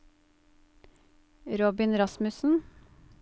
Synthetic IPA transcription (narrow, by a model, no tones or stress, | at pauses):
ɾɔbɪnɾɑsmʉsn̩